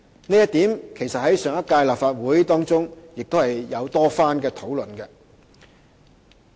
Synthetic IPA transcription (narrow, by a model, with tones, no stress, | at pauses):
neː˥jɐ˥t̚t̪iː˨˥mkʰe˨˩jsɐ˨t̚hɐ˨˥jsœː˨˥ŋɐ˥t̚kaː˧jlaː˨p̚faː˧t̚wuː˨˥jt̪ɔː˥ŋt͡sʊ˥ŋjɪ˨k̚t̪o˥hɐ˨jːɐ˨˧wt̪ɔː˥faː˥nkɛː˧t̪ʰo˨˥wlɵ˨nkɛ˧